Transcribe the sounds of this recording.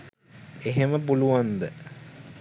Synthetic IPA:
eɦeməpuluʋand̪ə

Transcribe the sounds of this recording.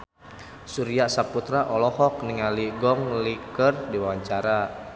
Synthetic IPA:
suɾiasaput̪ɾaʔɔlɔhɔk̚niŋaliɡɔŋlikərdiwawaɲt͡ʃaɾa

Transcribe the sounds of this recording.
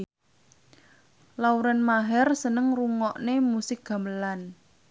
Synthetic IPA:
lauɾanmaɦɛrsənəŋruŋɔʔnemusɪk̚ɡ̥a̤məlan

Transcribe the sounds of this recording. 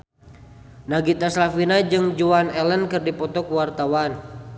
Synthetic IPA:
naɡit̪aslafinad͡ʒɨŋd͡ʒuanɛlənkɨrdipɔt̪ɔkuwart̪awan

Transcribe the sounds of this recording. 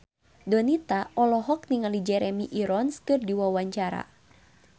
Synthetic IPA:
dɔnit̪aɔlɔɦɔk̚niŋalid͡ʒɛɾɛmiʔiɾɔnskɨrdiwawaɲt͡ʃaɾa̰

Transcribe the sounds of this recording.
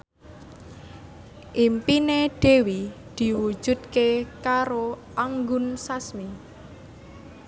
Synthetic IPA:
ʔimpineɖ̥e̤wid̪̥i̤wu̥ʒ̥ṳd̪̚kekaɾoʔaŋɡʊnsasmi

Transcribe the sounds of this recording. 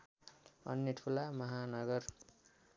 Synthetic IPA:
ʌ̰njeʈʰulamʌɦanʌɡʌr

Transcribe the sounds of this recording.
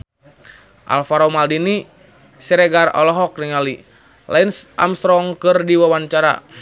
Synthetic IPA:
ʔa̰lfaɾɔmaldini | siɾɛɡarɔ̰lɔɦɔk̚niŋali | la̰inʔa̰mst̪ɾɔŋkɨrdiwawaɲt͡ʃaɾa̰

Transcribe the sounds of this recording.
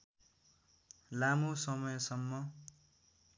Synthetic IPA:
lamusʌmʌjsʌmːʌ

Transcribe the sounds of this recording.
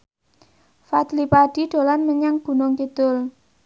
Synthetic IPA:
fat̪lipaɖ̥i̤ɖ̥o̤lanməɲaŋɡ̥ṳnʊŋkid̪̥ʊl

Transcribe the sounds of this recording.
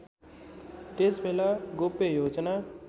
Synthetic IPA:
t̪esmelaɡʊpejoːd͡ʒna

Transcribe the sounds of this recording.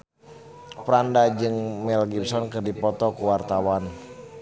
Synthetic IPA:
pɾandad͡ʒɨŋmɛlɡibsɔnkɨrdipɔt̪ɔkuwart̪awan

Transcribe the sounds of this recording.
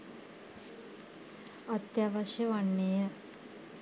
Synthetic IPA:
at̪jaʋaʃjəʋaɳːejə

